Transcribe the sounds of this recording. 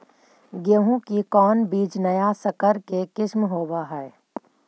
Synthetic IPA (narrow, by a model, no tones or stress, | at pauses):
ɡəɦũkikɔːnbiːd͡ʒnɐjasəkəɾkekɪʃmɦoːbaɦɛː